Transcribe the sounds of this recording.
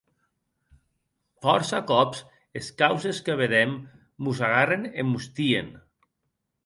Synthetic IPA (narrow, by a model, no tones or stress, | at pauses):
fɔɾsakɔps | eskawzeskəβ̞eðemː | uzaɣarenemːust̪iḛn